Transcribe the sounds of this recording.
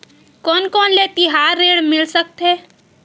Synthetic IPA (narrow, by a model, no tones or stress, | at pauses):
kɔːnkɔːnlet̪ɪɦaɾːeːɽmɪlsək̚t̪ɦɛ